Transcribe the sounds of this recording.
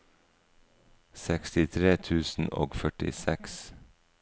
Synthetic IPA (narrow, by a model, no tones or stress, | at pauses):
sɛkst̪ɪt̪ʰɾeːt̪ʰʉːsn̩ʔo̰ːɡfœʈɪ̰sɛks